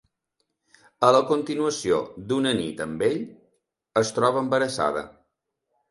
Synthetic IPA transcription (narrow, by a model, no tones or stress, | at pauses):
ələkunt̪inuəsio̰d̪unənit̪əmbeʎ | əst̪ɾɔβəːmbəɾəsa̰ðə̰